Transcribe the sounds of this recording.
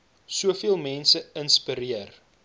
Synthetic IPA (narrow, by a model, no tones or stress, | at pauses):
suəfiəlˠmɛnsəənspəɾiər